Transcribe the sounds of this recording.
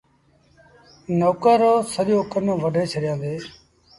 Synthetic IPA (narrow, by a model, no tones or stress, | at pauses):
noːkəɾoːsəɗɪjõːkənːʋəɖʱeːt͡ʃʰəɗɪjãːnd̪eː